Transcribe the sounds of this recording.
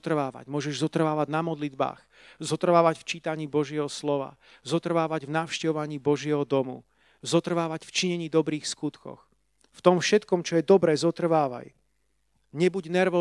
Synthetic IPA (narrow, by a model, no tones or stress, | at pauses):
t̪r̩ʋaːʋa̰ɟmʊɔʒɛʒzɔt̪r̩ʋaːʋaɟnamɔd̪lid̪ba̰ːx | zɔt̪r̩ʋaːʋacft͡ʃiːt̪aɲiːbɔʒɪɛɦɔslɔʋa̰ | zɔt̪r̩ʋaːʋaɟvnaʊʃcɛʋɔʋaɲiːbɔʒɪɛɦɔd̪ɔmṵ | zɔt̪r̩ʋaːʋacft͡ʃiɲɛɲiːd̪ɔbɾiːxskut̪kɔ̰x | ft̪ɔmfʃɛt̪kɔmt͡ʃɔjɛd̪ɔbɾɛːzɔt̪r̩ʋaːʋa̰j | ɲɛbuɟnɛɾʋɔ